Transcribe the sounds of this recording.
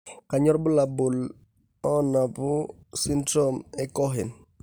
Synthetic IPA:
ka˨ɲɔ˦ɾbu˦labu˨l | ɔ˦na˨pu | si˦ntomɛkɔ˦ɦi˨n

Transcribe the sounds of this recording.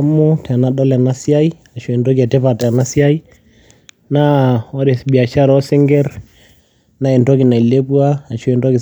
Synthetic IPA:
mːʊ˦tʰɛ˨na˦ɗɔ˦la˨na˦sja˦i˦ | a˨ʃɔ˨ɛ˨ndɔ˦ki˨a˨tɛ˦pa˨tɛ˨a˨na˦sja˦i˦ | na˦ɔ˦ɾe˨sbi˨a˨ʃa˦ɾɔ˦sɪ˦ŋɡɛ˦ɾ | na˦ɛ˨ndɔ˦kɪ˨na˨i˨le˦pwaː˦˨ʃɔ˦ɛ˨ndɔ˦kɪ˨

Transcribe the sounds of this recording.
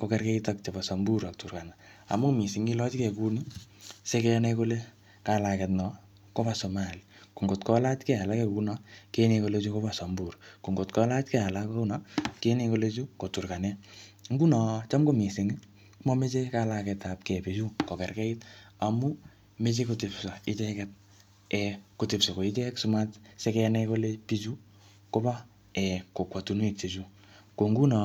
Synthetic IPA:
ko˨kɛ˧rkɛ˦itak̚t͡ʃa˨pa˨sɔ˨mbu˦ɾa˨ktu˨rka˨naa̰˨mu˦mi˨si˨ŋi˦lɔ˦t͡ʃi˦kɛ˨ku˦ni˦se˦kɛ˦nɛko˦le˦ | ka˦la˨kɛ˧tnɔ˨ | ko˦pa˨so˨ma˨liko˨ŋɡo˨tkɔ˦la˦t͡ʃkɛ˦a˨la˦kɛ˦ku˦nɔ˨˦ke˦ne˧ko˧le˧˦t͡ʃu˦ko˦pa˨sɔ˨mbu˨ɾko˨ŋɡo˨tkɔ˦la˦t͡ʃkɛ˦a˨la˦ka˦u˦nɔ˦ke˦ne˧ko˧le˦t͡ʃu˦ko˨tu˨rka˨nɛ˦ŋ˦ɡu˦na˨t͡ʃa˦mko˦˨mi˨se˨ŋ˦ | kmɔ˦me˦t͡ʃe˦kala˧kɛ˨ta˨p̚kɛ˨pi˨t͡ʃu˦kɔ˨kɛ˨rkɛ˦ita˨mu˦ | me˦t͡ʃe˦ko˦te˨psa˨ɪ˦t͡ʃɛ˦kɛ˦t̚ | ɛ˨ko˨te˨pso˨ko˨i˦t͡ʃɛ˦ksu˦ma˦tsɛ˦kɛ˧nɛko˦le˦pi˦t͡ʃu˦ | ko˦ba˦ | ɛ˨ko˨kwa˨tu˨n˦i˦k̚t͡ʃe˨t͡ʃu˦ | ko˨ŋɡu˦na˨

